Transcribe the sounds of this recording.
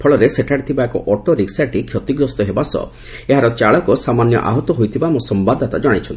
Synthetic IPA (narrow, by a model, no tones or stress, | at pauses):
pʰɔɭɔɾeseʈʰaɽit̪ʰibaekɔ̰ʔɔʈoɾiksaʈikʰjɔt̪iɡɾɔst̪ɔɦebasɔ̰ | eɦaɾɔt͡ʃaɭɔkɔsamanjɔ̰ʔa̰ɦɔt̪ɔɦojt̪ʰibamusɔmbad̪ʱat̪ad͡ʒɔɽ̃it͡ʃʰɔnt̪ʰi